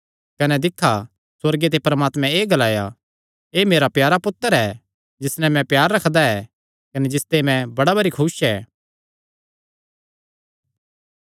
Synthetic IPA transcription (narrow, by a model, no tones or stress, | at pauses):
kɐnɛd̪ɪkʰːa | swɐɾɡet̪̬epɐɾɐmaːt̪mɛ̃eːɡɐlaːja | eːmeːɾapjaːɾapʊt̪ːəɾɛː | d͡ʒɪsnɛmɛ̃pjaːɾːɐkʰd̪aɛ | kɐnɛd͡ʒɪst̪emɛ̃bɐɽabɐɾikʰʊsɛː